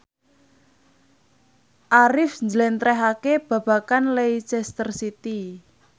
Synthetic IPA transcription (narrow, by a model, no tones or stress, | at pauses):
ʔaɾɪfɲd͡ʒlɛnt̪ɾɛɦakeb̥ä̤b̥a̤kanlet͡ʃɛst̪ərsit̪i